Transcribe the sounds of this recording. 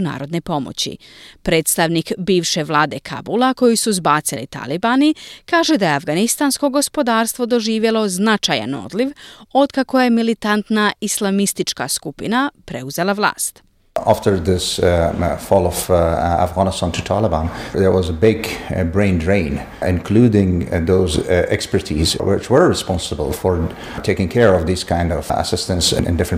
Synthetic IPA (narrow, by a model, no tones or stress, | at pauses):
na̰ːɾo̞d̪ne̞po̞mo̰t͡ɕḭ | pɾe̞ːt̪st̪aʋnikbiːʋʃe̞ʋlˠaːd̪e̞kʰa̰bulako̞jisuzbaːt̪silḭt̪a̰libanikaːʒe̞d̪ajeafɡanist̪ansko̞ɡo̞spo̞d̪aːɾst̪ʋo̞d̪o̞ʒiːʋje̞lo̞znat͡ʃaja̰no̞̰d̪liʋo̞d̪kako̞je̞milit̪ant̪naislˠamist̪it͡ʃka̰skupḭnapɾe̞uze̞lˠaʋlˠa̰ːst̪ | aftə˞ðɪs | fɔlˠɔv̥a̰fɡɑnəstãntʰɨtʰalˠəbãnðə˞wʌzəbɪɡbɹẽɪ̃ndɹẽɪ̃n | ɪ̰̃nkʰludɪ̃ŋðoʊzʔɛkspə˞tʰizwɪt͡ʃwə˞ɹɪspɑ̃nsəbə̰lˠfəɹ | tʰeɪkɪ̃ŋkʰɛɹɔvðiz̥kʰãɪ̃ndɔv̥ə̰sɪstə̃ntsɪ̰̃nɨ̰̃ndɪfɹə̃n